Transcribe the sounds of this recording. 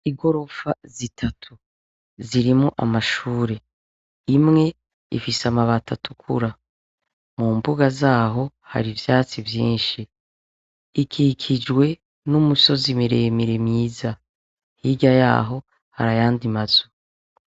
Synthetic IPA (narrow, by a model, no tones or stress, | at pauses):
iɡo̞ɾo̞fazitʰatʰu | ziɾimuʔamaʃuːɾe̞ | imŋe̞ | ḭfisamaβatʰatʰukʰṵɾa | muːmbuɡazaːɦo̞ | ha̰ɾivjaːt͡sivjiːnʃi | ikʰikʰid͡ʒɡwe̞ | numuso̞zimiɾe̞miɾemɲiːza | hiɡaja̰ːɦo̞ | haɾajaːndimaz̥o